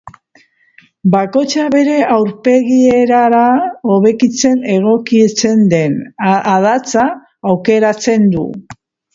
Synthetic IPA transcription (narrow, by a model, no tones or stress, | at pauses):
bako̞t͡ʃaβe̞ɾe̞ʔawɾpe̞ɣie̞ɾaɾao̞βe̞kit͡se̞ne̞ɣo̞kit͡se̞nd̪e̞nʔaðat͡saː | wke̞ɾat͡se̞nd̪ṵ